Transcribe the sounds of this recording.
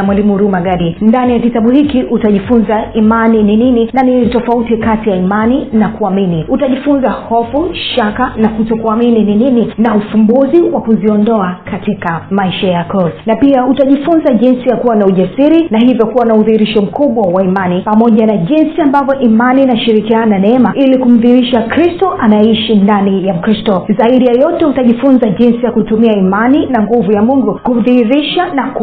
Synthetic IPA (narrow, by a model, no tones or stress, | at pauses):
mwalimuɾumaɡaɗindanijakitaɓuhikiʔutaʄifunzaimanininininaninitɔfautikatijaimaninakuaminiutaʄifunzahɔfuʃakanakutɔkuaminininininaufumbuziwakuziɔndɔakatikamaiʃajakɔzanapiautaʄifunzaʄinsijakuwanauʄasiɾinahivjɔkuwanauðihiɾiʃɔm̩kuɓwawaimanipamɔʄanaʄinsiambavjɔʔimaninaʃiɾikiananɛɛmailikum̩ðihiɾiʃakɾistɔʔanaɛiʃindanijam̩kɾistɔzaiɗijajɔtɛutaʄifunzaʄinsijakutumiaimaninaŋɡuvujamuŋɡukuðihiɾiʃanak